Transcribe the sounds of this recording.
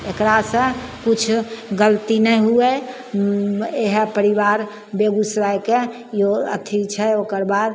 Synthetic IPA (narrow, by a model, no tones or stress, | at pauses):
ekɾasə̃kut͡ʃʰɡəlt̪inɛɦuɛ | eɦpəɾiʋaɾ | beɡusɾajke | joə̰t̪ʰit͡ʃʰɛoːkəɾbaːd̪